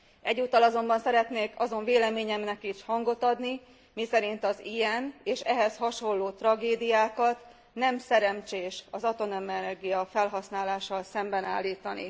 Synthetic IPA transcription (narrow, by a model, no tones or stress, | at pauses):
ɛɟːuːt̪ːɒlɒzo̞mbɒnsɛɾɛt̪neːkɒzo̞ɱveːlɛmeːɲɛmnɛkiʃhɒŋɡo̞t̪ɒd̪ni | misɛɾint̪ɒzijɛneːʃɛɦɛshɒʃo̞lːoːt̪rɒɡeːd̪ijaːkɒt̪ | nɛmsɛɾɛmt͡ʃeːʃɒzɒt̪o̞nømɛnɛrɡijɒfɛlɦɒsnaːlaːʃɒlsɛmbɛnaːlːiːt̪ɒnḭ